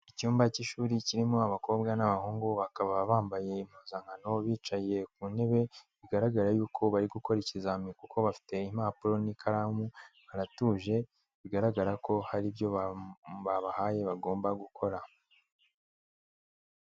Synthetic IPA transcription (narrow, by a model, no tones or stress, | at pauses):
icuːmbaciʃuːɾiciɾimoaβako̞ːbɡanaβahuːŋɡuβakaβaββaːmbaje̞im̥huːnzaŋɡano̞βiːt͡ʃaje̞k̚une̞βe̞βiɡaɾaɡaɾajuːkʰo̞βaɾiɡuko̞ɾecizamikukʰo̞βafi̥te̞im̥aːpuɾo̞nikʰaɾamuβaɾatuːʒe̞ | βiɡaɾaɡaɾako̞haɾibjo̞βaβaβahaːje̞βaɡo̞ːmbaɡukʰo̞ɾa